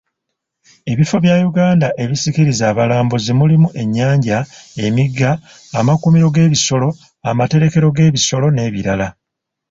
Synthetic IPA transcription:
e̞βifo̞βjajuɡaːndaʔe̞βisikiɾizaːβalaːmbozimulimuʔe̞ɲːaːɲɟae̞miɡːaː | makumiɾo̞ɡe̞ːβiso̞lo̞ | amate̞ɾe̞ke̞ɾo̞ɡe̞ːβiso̞lo̞ne̞ːβiɾala

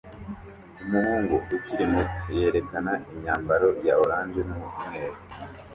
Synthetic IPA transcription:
umuhuːŋɡuʔuciɾimuto̥je̞ːɾe̞kanaʔiɲaːmbaɾo̞jaoɾaːnzenumutumeːɾ

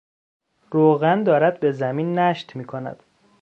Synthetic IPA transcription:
ɾoːɣænd̪ɒːɾæd̪̚be̞zæmiːnːæʃt̪miːkʰonæ̰d̪̥

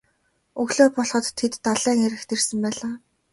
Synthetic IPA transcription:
ɵɣɮoːpɔɮχɞ̆t̪ʰːet̪ːaɮæːŋeɾɘ̆xt̪ʰersɘ̆mpæːɮaː

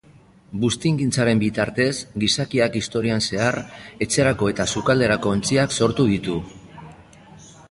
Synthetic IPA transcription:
bust̪iŋɡint͡saɾe̞mbit̪aɾt̪e̞zɡisakiakist̪o̞ɾianse̞are̞t͡se̞ɾako̞e̞t̪asukald̪e̞ɾako̞ːnt͡siakso̞ɾt̪uð̞it̪u

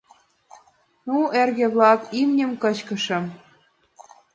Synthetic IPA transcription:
nuerɣĕβlɑkimnʲə̆mkɤ̆t͡ɕkə̆ʃɤ̆m

